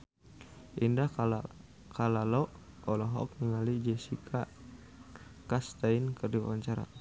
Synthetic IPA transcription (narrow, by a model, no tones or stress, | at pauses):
ʔinda | kʰalalɔʔ | ɔlɔɦɔ̰k̚niŋalid͡ʒɛsikʰa | kast̪ainkərdia̰waɲt͡ʃaɾa̰